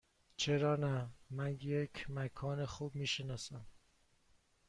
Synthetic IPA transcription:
t͡ʃʰeɾɒːnæmænjekʰmækʰɒːnexuːbmiːʃenɒːsæm

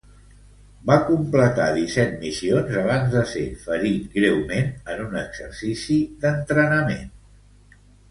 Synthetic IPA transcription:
bakumplət̪a̰ðisɛt̪̚misionzəβ̞anzðəsefəɾit̪ɡɾewmenənunəɡz̥əɾsisiðənt̪ɾənəmen

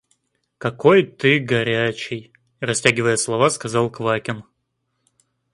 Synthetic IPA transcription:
kɐko̞jt̪ɨɡɐɾʲæt͡ɕɪj | rɐsʲtʲæɡʲɪvəjəslˠɐvaskɐzɑlˠkvakʲɪn

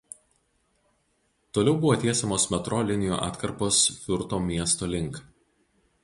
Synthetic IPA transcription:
t̪oːlʲɛʊbʊʋoːt̪ʲeɛsʲɛmoːsmʲɛt̪ɾoːlʲɪnʲɪjo̰ʔɑ̰ːt̪kɐɾpoːsfʲʊɾt̪oːmʲiɛst̪oːlʲɪŋˑk

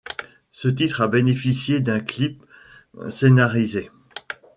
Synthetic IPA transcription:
sət̪it̪χabenefisjed̪ɛ̃klip | senaʁize

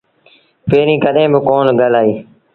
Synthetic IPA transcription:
peːɾĩːkəɗẽːbɪkoːnɡəlaːiː

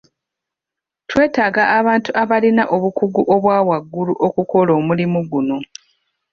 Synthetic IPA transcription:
twe̞ːtaːɡaʔːβaːntuʔaβalinaʔo̞βukuɡuʔoβwaːwaɡːuluʔo̞kuko̞lo̞ːmulimuɡuno̞

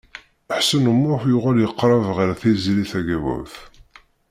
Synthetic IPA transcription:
əħsənəmːʊθjʊʁæljəqːɾˤɑvʁəɾθizɾiθæɡæwʊ̰θ

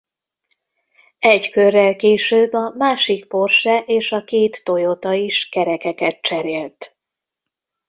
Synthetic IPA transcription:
ɛɟkørːɛlkeːʃøːbːɒmaːʃikpo̞rʃɛʔeːʃɒkeːt̪ːo̞jot̪ɒiʃkɛɾɛkɛkɛt̪̚t͡ʃɛɾeːlt̪

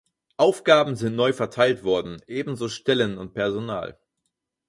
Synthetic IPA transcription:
ʔaʊfɡ̥aːbm̩zɪntnɔʏfɛɐtʰaɪltv̥ɔɐdn̩ʔeːbm̩zoːʃtɛlənʊnt̚pʰɛɐzona̰ːl

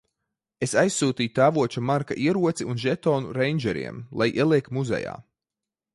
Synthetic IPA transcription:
esajsːuːt̪iːjut̪æːvuɔt͡ʃumaɾkaʔiɛɾuɔt̪siunʒɛt̪ɔːnṵɾɛjnʲd͡ʒɛɾḭɛmlˠajʔiɛlˠiɛkmuzɛ̰ja̰ː

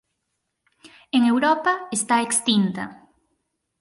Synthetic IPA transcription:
eŋewɾɔpaest̪aekst̪int̪ɐ̰

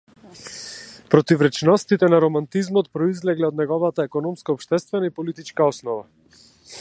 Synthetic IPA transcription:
pɾɔt̪ivɾɛt͡ʃnɔst̪it̪ɛnaɾɔmant̪izmɔt̪pɾɔizlɛɡlɛɔd̪nɛɡɔvat̪aɛkɔnɔmskaɔpʃt̪ɛst̪vɛnaipɔlit̪it͡ʃkaɔsnɔva

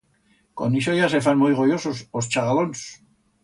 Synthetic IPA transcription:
ko̞̰niʃojasefanmujɣojososost͡ʃaɣalons

